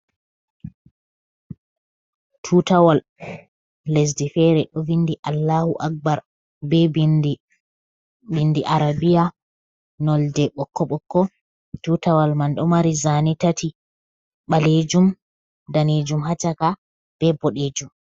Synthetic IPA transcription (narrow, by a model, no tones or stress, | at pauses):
tʰuːtawalː | es̬difɛɾɛɗɔvindiʔalːaːhuʔak̚baɾ | bɛb | bindiʔaɾabija | nɔldɛɓɔkːɔɓɔkːɔ | tutawalmanɗɔmaɾizanitati | ɓaled͡ʒum | daned͡ʒumɦat͡ʃaka | b̥ɛbɔɗed͡ʒum